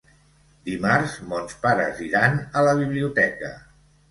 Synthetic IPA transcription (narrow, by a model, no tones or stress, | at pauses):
d̪imaɾzmonspaɾə̰ziɾanələβ̞iβliut̪ɛkə̰